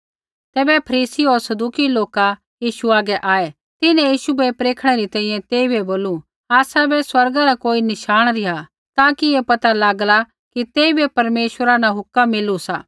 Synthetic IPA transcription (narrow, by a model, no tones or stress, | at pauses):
t̪ɛːbɛpʰɐɾiːsiɔɾsɐd̪uːkiloːka | jiːʃuaːɡɛʔaːɛ | t̪ɪnɛ̃jiːʃubɛpɾeːkʰɽ̃ɛɾit̪ɛ̃ːĩjɛ̃t̪eːibɛboːlu | aːsabɛswɐɾɡaɾakoːinɪʃaːɽ̃ɾɪɦa | t̪aːkiepɐt̪alaːɡla | kit̪eːibɛpɐɾmeːʃwəɾanaɦʊkːamːɪlusaː